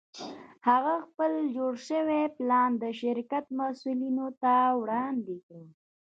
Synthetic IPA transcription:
haɣaxpəld͡ʒoɽʃəweplɑnd̪əʃɪɾkat̪masulinot̪awɽɑnd̪ekɽə

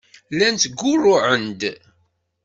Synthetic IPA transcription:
lænt̪ɡːʊrˤːʊʕənd̪

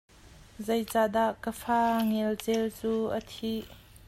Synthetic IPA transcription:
zejt͡saːd̪aʔkəfaːŋɛlt͡sɛlt͡suːʔət̪ʰiʔ

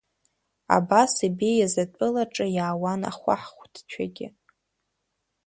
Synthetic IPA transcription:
a̰basibejazatʷʼɨlaʈ͡ʂʼɨjaːwana̰χʷa̰ħχʷtʰt͡ʃʷʰaɡʲɪ

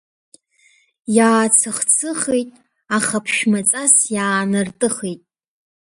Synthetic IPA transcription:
jaːt͡sʰɨχt͡sʰɨχejtʼ | aχapʰʃᶣmat͡sʼasjaːnɨrtʼɨχejtʼ

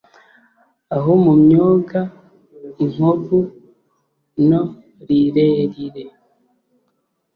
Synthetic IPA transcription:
aɦomumɲoːɡa | iŋ̥oɡu | no | ɾiɾeːɾiɾe

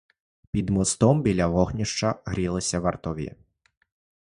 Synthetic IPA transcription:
pʲid̪mɔst̪ɔmbʲilʲɐʋɔxnʲiʃt͡ʃɐɦɾʲilˠɪsʲɐʋɐrt̪ɔʋʲḭ

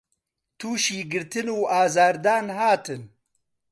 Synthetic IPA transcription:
t̪ʰuːʃiːɡɨɾt̪ʰɨnuːaːzaːɾd̪aːnɦaːt̪ʰɨn

